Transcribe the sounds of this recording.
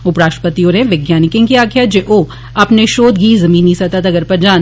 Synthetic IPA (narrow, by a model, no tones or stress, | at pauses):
ʊpɾaːʃə̥pət̪ijoɾẽʋɪɡjaːnɪkẽŋkiaːkʰjad͡ʒeːʔoː | ɐpneʃoːd̪ɡiːzɐmiːnisɐt̪at̪ɐɡəɾpɐɾd͡ʒaːn